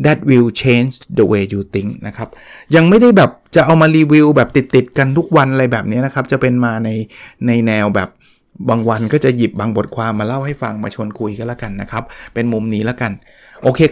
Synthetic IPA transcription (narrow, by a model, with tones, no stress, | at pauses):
d̪ɛ˨˦˩t̚wi˧wt͡ɕʰeː˦˧˥nt͡ɕd̪ə˧weː˧juː˨˩t̪i˦˥ŋna˦˥kʰa˦˥p̚ja˧ŋma˥˩jda˥˩jbɛː˨˩p̚t͡ɕa˨˩ʔa˧wmaː˧liː˧wi˧wbɛː˨˩p̚t̪i˨˩t̪ːi˨˩t̪̚ka˧nt̪ʰu˦˥k̚wa˧nʔa˧ɾa˧jbɛː˨˩p̚ni˦˥ɐna˦˥kʰa˦˥p̚t͡ɕa˨˩pe˧nmaː˧na˧jna˧jnɛː˧wbɛ̰ː˨˩p̚ | baː˧ŋwa˧nkɔː˥˩t͡ɕa˨˩ji˨˩p̚baː˧ŋbo˨˩t̪̚kʰwaː˧mːaː˧la˥˩wha˥˩jfa˧ŋmaː˧t͡ɕʰu˧ənkʰu˧jka˧nlaː˦˥˩ka˧nːa˦˥kʰɾa˦˥p̚pːe˧nmu˧mniː˦˥lɛː˦˥ka˧n | ʔoː˧kʰeː˧